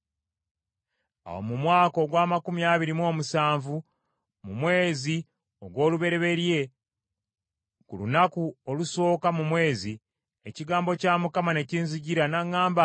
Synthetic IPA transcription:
a̰wo̰mumwaːko̞ɡwaːmakumiaːβiɾimo̞ːmusaːɱvu | mumwe̞ːzi | o̞ɡwo̞ːluβe̞ɾe̞βe̞ɾje̞ | kulunakuoluso̞ːkamumwe̞ːzi | eciɡaːmbo̞caːmukamane̞ciːnziɟiɾanaŋːaːmba

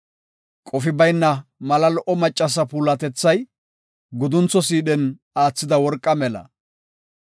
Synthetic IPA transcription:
kʼɔfɪbɐjnːɐmɐlɐlɔʔɔmɐt͡ʃʼːɐs̬ɐpuːlɐt̪ɛt͡sːɐj | ɡʊd̪ʊnt͡sːɔs̬iːɗɛn | aːt͡sːɪd̪ɐwɔɾkʼːɐmɛlɐ̰

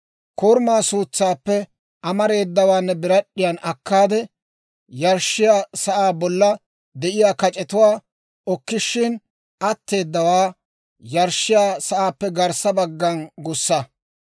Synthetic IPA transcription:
kɔɾmaːsuːt͡sːaːpːɛ | ɐmɐɾe̞ːd̪ːɐwaːnːɛbɪɾɐɗːɪjɐnʔɐkːaːd̪ɛ | jɐɾʃːɪjaːsɐʔaːbɔlːɐ | d̪ɛʔɪjaːkɐt͡ʃʼɛt̪ʊwaː | ɔkːɪʃːɪn | ʔɐt̪ːe̞ːd̪ːɐwaː | jɐɾʃːɪjaːsɐʔaːpːɛɡɐɾsɐbɐɡːɐnɡʊsːɐ

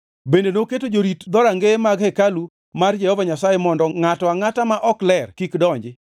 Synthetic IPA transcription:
bendenoketod͡ʒoɾitd̪ɔɾaŋɡemaɡhekalu | mard͡ʒɛhɔvaɲasajemɔndɔŋatɔaŋatamaʔɔklɛrkikdɔɲd͡ʒɪ

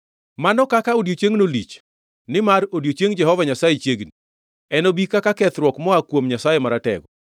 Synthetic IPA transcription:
manɔkakaodjot͡ʃeŋnolit͡ʃ | nɪmaɾodjot͡ʃeŋd͡ʒɛɦɔvaɲasajet͡ʃeɡni | ɛnɔbikakakɛt̪ɾwɔkmɔakwomɲasajemaɾatɛ̰ɡɔ

